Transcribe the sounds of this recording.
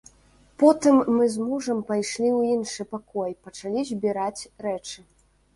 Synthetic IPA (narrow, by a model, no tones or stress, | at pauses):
pɔt̪ɨmːɨzmuʐɐmpajʂlʲiwinʂɨpakɔjpɐt͡ʂalʲizʲbʲiɾat͡sʲɾɛt͡ʂɨ